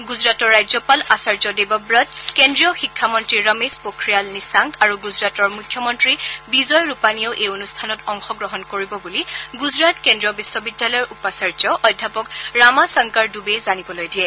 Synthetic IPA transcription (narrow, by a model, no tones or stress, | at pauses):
ɡuzɹatɔɹːajzɔpalasaɹzɔdebɔbɹɔtkendɹijɔxikʰːamɔntɹiɹəmespokɹijalnisaŋkaɹuɡuzɹatɔɹmukʰjɔmɔntɹibizɔjɹupanijɔwʔejonustʰanɔtɔŋxɔɡɹɔɦɔnkoɹibɔbuliɡuzɹatkendɹijɔbisːɔbidːalɔjɔɹʔupasaɹzɔʔɔjdʱːapɔkɹamasaŋkaɹdubezanibɔlojdiɛ